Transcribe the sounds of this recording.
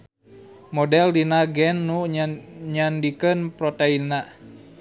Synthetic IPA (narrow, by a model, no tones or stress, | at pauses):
modɛldinaɡɛnːu | ɲandikənpɾot̪einːa